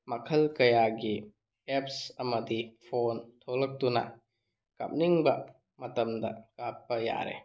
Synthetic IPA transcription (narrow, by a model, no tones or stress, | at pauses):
mɐkʰɐlkɐjaɡi | ep̚sɐmɐdipʰontʰolɐk̚tunɐ̰ | ka̰p̚niŋbɐ | mɐtɐmdɐ̰kap̚ːɐja̰ɾḛ